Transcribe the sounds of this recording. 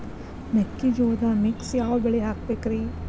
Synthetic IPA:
nɐkːid͡ʒoːd̪amiksjaːʋɐbɛɭeɦaːk̚beːkɾiː

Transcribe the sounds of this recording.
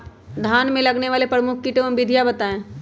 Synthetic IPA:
d̪ʱaːnmẽlɐɡneʋaːlepɾəmʊk̚ʰkiʈeə̃mbɪd̪ʱijabɐt̪aːẽː

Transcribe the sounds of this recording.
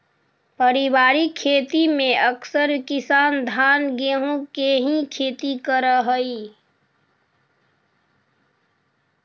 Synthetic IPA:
pəɾɪbaːɾikʰːeːt̪imẽəksəɾkɪsaːnd̪ʱaːnɡeɦũkeɦĩkʰeːt̪ikəɾəɦəi

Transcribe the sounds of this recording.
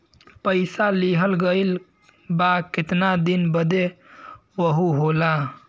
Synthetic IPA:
pəɪsaliɦəlɡəɪl | bakɪt̪nad̪inbəd̪e | wəɦuɦola

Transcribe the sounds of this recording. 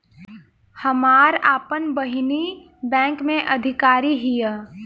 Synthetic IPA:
hɐmaːɾaːpənbəɦɪni | bɛ̃ːŋkmẽʔɐd̪ʱɪkaːɾiɦijə

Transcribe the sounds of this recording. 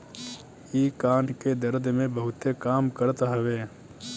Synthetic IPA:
iːkaːnked̪ɐɾd̪ʱmẽbɐɦʊt̪ekaːmkəɾt̪ɦɐʋeː

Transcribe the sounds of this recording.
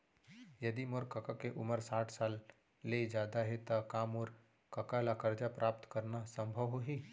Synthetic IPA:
jɐd̪imoɾkɐkakeʔʊməɾsaːʈʰsaːlː | ed͡ʒaːd̪aɦet̪akaːmoɾ | kɐkalakɐɾd͡ʒapɾʔaːp̚t̪kɐɾnasə̃mbʱəʋɦoɦi

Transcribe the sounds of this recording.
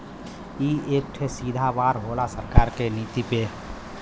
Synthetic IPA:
iːeːp̚ʈʰesiːd̪ʱaʋaːɾɦoːlasəɾkaːɾkeniːt̪ipe

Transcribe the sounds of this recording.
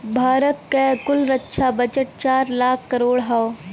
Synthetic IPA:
bʱaːɾət̪kekʊlɾətːʃʰabɐd͡ʒəʈ̚t͡ʃaːɾlaːkʰːɐɾoːɽɦao

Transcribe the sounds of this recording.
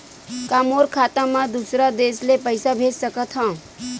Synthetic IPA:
kamoːɾkʰaːt̪ãmãd̪usɾad̪eːslepəɪsabʱeːd͡ʒsəkət̪ɦã

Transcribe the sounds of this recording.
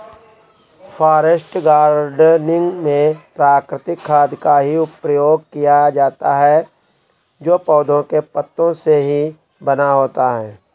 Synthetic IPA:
fʰaːɾəsʈɡaːɾɖnɪ̃ŋɡmẽpɾaːkɾɪt̪ɪkʰːaːd̪ʱkaɦiʊpɾəjoːɡ̚kijad͡ʒaːt̪aɦɛ | d͡ʒoːpɔːd̪ʱõkepət̪ːõseɦi | bənaɦoːt̪aɦɛː

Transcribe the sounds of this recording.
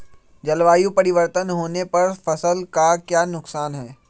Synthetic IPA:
d͡ʒɐlʋaːjũpɐɾɪʋəɾt̪ənɦoːnepɐɾfɐsəlkakjaːnʊksaːnɦɛː

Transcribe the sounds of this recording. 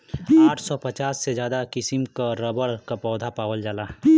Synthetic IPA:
aːʈʰsɔpət͡ʃaːsːed͡ʒjaːd̪akɪsɪmkaɾəbəɽkapɔːd̪ʱapaːwəld͡ʒaːlaː

